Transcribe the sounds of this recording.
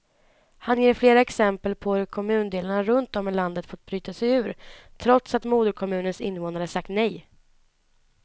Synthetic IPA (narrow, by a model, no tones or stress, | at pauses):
hanjeːɾfleːɾaɛksɛmpəlpʰɔhɵɾkʰɔmʉ̟ːnd̪eːlaɳaɾɵnt̪̚ɔmːɛland̪ət̪fɔt̪̚ːbɾyːt̪asɛjʉ̟ːɾt̪ʰɾɔt̪sat̪muːd̪əɾkʰɔmʉ̟ːnənsɪ̰nːvoːnaɾəsak̚t̪nɛj